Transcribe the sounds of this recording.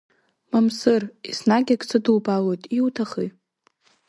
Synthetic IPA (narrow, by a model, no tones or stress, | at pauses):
mamsɨrisnaɡʲakʼt͡sʰadɨlbʼalo̞jtʼiwtʰaχḭ